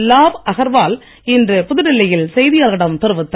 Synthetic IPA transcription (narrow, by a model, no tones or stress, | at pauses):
lːaːbʔɐɣɐɾʋaːl | ɪndrɯpʊðɯɾɪlːɐjɪlsɛjðɪjaːlɣɐɽɐmt̪ɪɾɯʋɯt̪ːɐ